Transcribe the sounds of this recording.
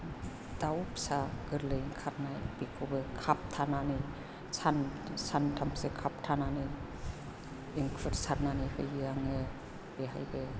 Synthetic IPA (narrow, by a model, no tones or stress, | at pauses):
d̥awpsaɡɯɾleiŋkʰaɾnajb̥ikʰobɯkʰap̚tʰanani | sansantʰamsekʰap̚tʰanani | ŋkʰɯɾsaɾnanihɯjɯaŋe | b̥eɦajbe